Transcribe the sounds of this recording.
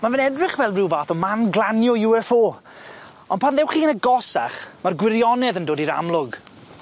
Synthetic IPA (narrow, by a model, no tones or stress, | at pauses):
manvɪnɛdrɪχvɛlˠdrɪwvaːθɔmanɡlˠanjɔjuɛfoː | ɔndpʰanðɛwχiːənəɡɔsa̰χmarɡwɪɾjɔnɛðəndoːdiɾa̰mlˠʊɡ